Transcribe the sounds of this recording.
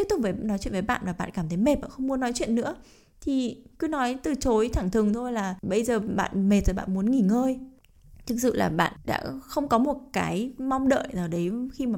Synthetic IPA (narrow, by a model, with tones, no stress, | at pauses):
i˦˥t̪ʊ˨˩vəː˨˩nɔ˨˦jt͡ɕwḭ˧˨nə˨˦jɓa̰ː˧˨nmaː˨˩ɓa̰ː˧˨nkaː˧˩mt̪ʰə˨˦jme˨˩t̚ʔə̰ː˧˨xə˧wŋ͡mmu˧ənɔ˨˦jt͡ɕwḭ˧˨ənːɨ̰˧˥ə | t̪ʰi˨˩kɨ˧nɔ˨˦jt̪ɨ˨˩t͡ɕo˨˦jt̪ʰaː˧˩ŋt̪ʰɨ˨˩əŋt̪ʰo˧jlaː˨˩ɓə˧jzəː˨˩ɓa̰ː˧˨nme˨˩t̚zəː˨˩ɓa̰ː˧˨nmu˨˦ənŋi˧˩ŋəː˧j | t̪ʰɨ˨˩k̚sɨ̰˧˨laː˨˩ɓa̰ː˧˨nɗa̰ː˧˥xə˧wŋ͡mkɔ˨˦mo˨˩t̚kaː˨˦jma˧wŋ͡mɗə̰ː˧˨jnaː˨˩wɗə˨˦jxi˧maː˨˩